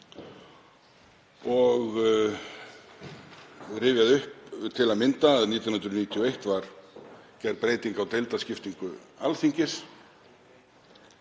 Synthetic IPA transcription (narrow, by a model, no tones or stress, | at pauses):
ɔɣ | rɪːvjaðʏhpt̪ʰɪlaðmɪnt̪aːðniːt̪jannt̪ɾʏniːt̪ʰiɔejht̪vaɾ̥cɛɾpɾeːjt̪iŋkawt̪ejlt̪ascɪft̪iŋkʏ̰alθiŋcɪs